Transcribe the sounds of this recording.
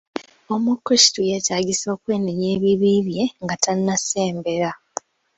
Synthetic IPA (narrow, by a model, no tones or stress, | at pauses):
omukɾisi̥tujetaːɟiso̞ːkwe̞ːniɲe̞ːβiβiβje̞ŋɡatannːaseːmbe̞ɾa